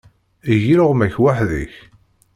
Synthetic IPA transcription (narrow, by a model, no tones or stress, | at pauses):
iʝiɾəʁmæçwaħðə̰ç